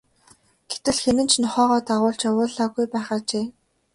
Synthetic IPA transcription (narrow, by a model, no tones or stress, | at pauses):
ɡ̥et̪ɘ̆ɮxemɘ̆nt͡ɕʰnɔχɔːʁɔːt̪aʁʊːɮt͡ɕawʊːɮaːɣujpæːχaːt͡ɕeː